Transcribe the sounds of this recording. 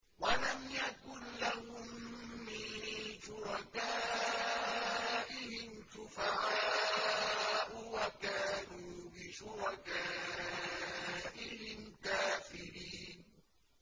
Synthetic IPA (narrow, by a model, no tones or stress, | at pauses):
walamjakʊnlahʊmːɪnʃʊɾɑkaː | ʔɪhɪmʃʊfaʕaːaː | ʔʊwakaːnuːbɪʃʊɾɑkaː | ʔɪhɪmkaːfɪɾiːn